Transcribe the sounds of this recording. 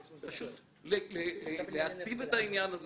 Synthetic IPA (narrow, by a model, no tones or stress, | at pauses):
paʃut̪ | lelelelehat͡sivet̪ainjanaz